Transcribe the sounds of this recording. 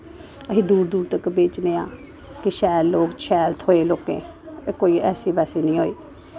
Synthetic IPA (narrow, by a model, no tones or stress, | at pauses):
əɦĩːd̪uːɾd̪uːɾt̪əkbeːt͡ʃneːaː | kɪʃɛːlːoːɡt͡ʃʰɛːlt̪ʰɦoːeːloːkḛ̃ː | koːiːɛːsiːbɛːseːnĩːɦoːeː